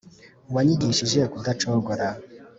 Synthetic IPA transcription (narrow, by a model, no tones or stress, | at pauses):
waɲiɡiʃiʒekudat͡ʃɔɡɔɾa